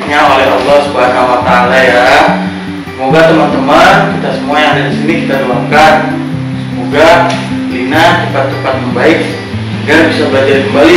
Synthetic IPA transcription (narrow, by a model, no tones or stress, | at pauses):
ɲaolɛɦɑ̰lːɔhsəbaɦasamat̪alaja | səmoɡat̪əmant̪əmankit̪asəmuajaŋadadisinikit̪adəlaŋkan | səmoɡalinat͡ʃəpat̪̚t͡ʃəpat̪̚məŋbaɪk̚ | ɡabisabadajkəmbali